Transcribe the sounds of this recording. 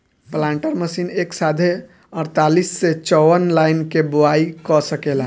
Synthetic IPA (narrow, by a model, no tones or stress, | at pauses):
plãɳʈəɾməsineksad̪ʱe | əɾt̪alisːet͡ʃɔwənlaɪnkeboaikɔsəkela